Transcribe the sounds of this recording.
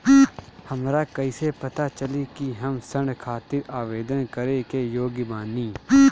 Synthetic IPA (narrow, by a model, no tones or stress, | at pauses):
həmɾakɐisepɐt̪at͡ʃəlikiɦəmsəɳɖkʰaːt̪ɪɾaːʋeːd̪ənkəɾekejoːɡbaːniː